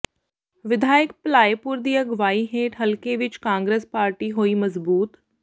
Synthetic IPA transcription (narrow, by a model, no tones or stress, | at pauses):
ʋɪd̪ʱaːɪkplaːjpʊɾd̪iːəɡʋaːiɦeːʈɦəlkeʋɪt͡ʃkãːŋɡɾeːspaːɾʈiːɦoːiːməzbuːt̪